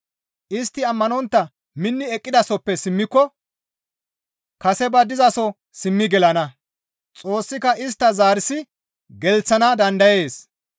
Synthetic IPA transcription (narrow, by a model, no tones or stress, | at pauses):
ʔɪst̪ːɪɐmːɐnɔnt̪ːɐ | mɪnːɪɛkʼːɪd̪ɐsɔpːɛsɪmːɪkːɔ | kɐsɛbɐd̪ɪzɐsɔ | sɪmːɪɡɛlɐnɐ | t͡sʼo̞ːsːɪkɐʔɪs̬t̪ːɐzaːɾɪsɪ | ɡɛlt͡sːɐnɐd̪ɐnd̪ɐje̞ːs